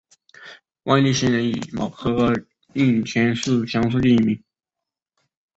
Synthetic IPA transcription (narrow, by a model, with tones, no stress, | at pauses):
wa˥˧li˥˩ɕɛ˧˥nɻə˧˥ni˨˩mɑ̰˨˩ʊkʰɤ˧˥ | i˥˩nt͡ɕʰɥɛ˧˥nʂ̩˥˩t͡ɕʰjɑ˧˥ŋʂ̬u˥˧t͡ɕ̪i˥˧i˥˩mi˧˥ŋ